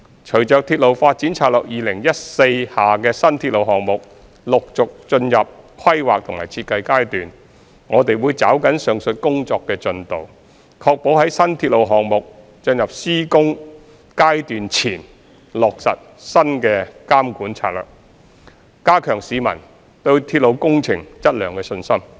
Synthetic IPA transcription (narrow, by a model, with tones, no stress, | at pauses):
t͡ʃʰɵ˨˩ɥt͡ʃœː˨k̚t̪ʰiː˧t̚lo˨wfaː˧t̚t͡siː˨˥nt͡sʰaː˧t̚lœː˨k̚jiː˨lɪ˨˩ŋjɐ˥t̚se˧jhaː˨kɛː˧sɐ˥nt̪ʰiː˧t̚lo˨wɦɔː˨˩ŋmʊ˨k̚ | lʊ˨k̚t͡sʊ˨k̚t͡ʃɵ˧njɐ˨p̚kʰɐ˥jwaː˨k̚t̪ʰʊ˨˩ŋma̰ː˨˩jt͡sʰiː˧t̚kːɐ˧jkaː˥jt̪yː˨n | ŋɔː˨˧t̪e˨jwuː˨˧jt͡saː˨˥wkɐ˨˥nsœː˨ŋsɵ˨˧t̚kʊ˥ŋt͡sɔː˧kːɛː˧t͡ʃɵ˧nt̪o̰˨w | kʰɔː˧k̚po˨˥wɦɐ˨˥jsɐ˥nt̪ʰiː˧t̚lo˨˧wɦɔː˨˩ŋmʊ˨k̚ | t͡ʃɵ˧njɐ˨p̚siː˥kʊ˥ŋ | kaː˥jt̪yː˨nt͡sʰiː˨˩n | lɔː˨˩k̚sɐ̰˨t̚ | sɐ˥nkɛː˧kaː˥mkuː˨˥nt͡sʰa̰ː˧t̚lœ̰ː˨˩k̚ | kaː˥kʰœː˨˩ŋsiː˨˧mɐ̰˨˩n | t̪ɵ˧ɥt̪ʰiː˧t̚lo˨˧wkʊ˥ŋt͡sʰɪ˨˩ŋt͡sɐ˥t̚lœː˨˩ŋkɛː˧sɵ˧nsɐ˥m